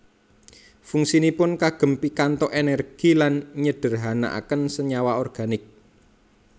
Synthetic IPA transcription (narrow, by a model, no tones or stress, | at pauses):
fuŋsinipʊnkaɡ̥ə̤mpikant̪ɔʔenɛrɡ̥i̤lanɲəɖ̥ə̤rɦana̰ʔa̰kənsəɲawaɔrɡ̥a̤nɪk̚